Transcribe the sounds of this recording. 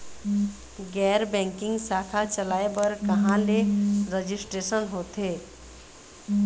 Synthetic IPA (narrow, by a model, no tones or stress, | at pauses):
ɡɛːɾbɛ̃ŋkɪ̃ŋɡsaːkʰat͡ʃəlaːebəɾkəɦãleɾəd͡ʒɪsʈɾesənɦoːt̪e